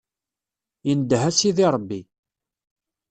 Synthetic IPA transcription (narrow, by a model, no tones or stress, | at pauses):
jənd̪ɦæsiðiɾˤəbːi